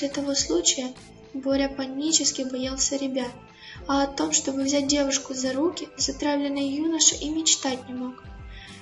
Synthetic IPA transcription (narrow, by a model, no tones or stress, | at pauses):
sʲlʲɪt̪ɐvo̞slˠut͡ɕɪjə | bo̞lʲɪjəpɐnʲːit͡ɕɪskʲɪxbɐjalˠsʲəɾʲɪbʲat̪̚ | ɐɐt̪o̞mʂt̪o̞bɨvzʲæt̚ʲdʲe̞vʊʂkʊzɐɾukʲɪzɐt̪ɾavlʲɪnːəjjunəʂɨʔimʲɪt͡ɕt̪atʲnʲɪmo̞k